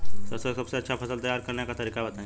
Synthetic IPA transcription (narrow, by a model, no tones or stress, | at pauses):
səsesəbseɐtːʃʰafʰəsəlt̪əjːaɾkəɾɳjakat̪əɾiːkabət̪ã